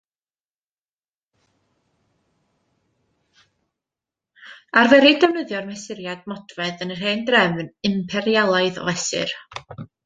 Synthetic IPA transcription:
arvɛɾidɛwnəðjɔrmɛsɪɾjad̥mɔdvɛðənr̥hendrɛvnɪmpʰɛɾjalˠaɨðɔ̰vɛsɪ̰r

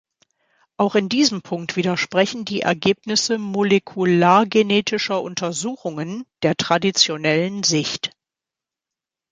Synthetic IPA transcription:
ʔaʊxɪndiːzəmpʰʊŋk̚tv̥iːdɾɐʃpʁ̥ɛçn̩diːʔɛ̰ɐɡeːpnɪsəmolekʰulaːɐɡeneːtʰɪʃɐʔʊntɐzuːxʊŋənd̥eːɐtʁ̥adit͡sjonɛlənzɪçt

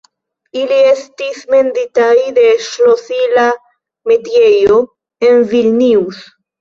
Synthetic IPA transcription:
ilie̞stisme̞nd̪itajde̞ʃlosila | metje̞jo̞ | envilniws

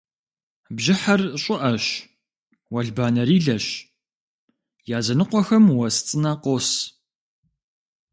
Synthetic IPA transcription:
bʒɪħɐrɕʼɪʔɐɕ | wɐɮbaːnɐɾiːɮɐɕ | jaːzɐnɨqʷɔxɐmwɐst͡sʼɨnɐqoːs

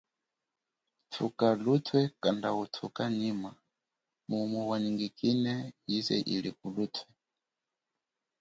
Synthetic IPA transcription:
tʰukalutʰwɛkandautʰukanima | mumwɛwaniŋɡikinɛjizɛ̰ʔḭlikulutʰwɛ

